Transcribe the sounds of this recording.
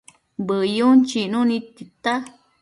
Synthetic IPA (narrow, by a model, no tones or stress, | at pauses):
bəjunt͡ʃinũnĩt̪it̪a